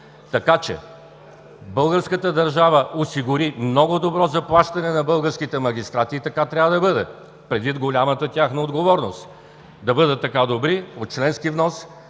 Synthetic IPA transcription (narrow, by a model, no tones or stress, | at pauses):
t̪ɐkat͡ʃɛ̰ | bɤlˠɡəɾskət̪əd̪ɐɾʒavəosiɡʊɾimnɔɡʊd̪obɾɔzɐplˠaʃt̪ɐnɛnɐbɤlˠɡəɾskit̪ɛmɐɡʲist̪ɾat̪iːt̪ɐkat̪ɾʲavəd̪ɐbɤd̪ɛ | pɾɛd̪vit̪ɡolʲamət̪ət̪ʲaxnəod̪ɡovɔɾnost̪ | d̪ɐbɤd̪ət̪ːɐkad̪obɾiot̪̚t͡ʃlɛnskivnɔs